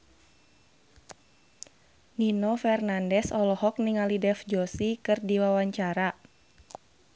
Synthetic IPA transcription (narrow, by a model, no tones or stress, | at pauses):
ninɔfɛrnandɛsɔlɔhɔk̚niŋalidɛfd͡ʒosikɨrdiwawaɲt͡ʃaɾa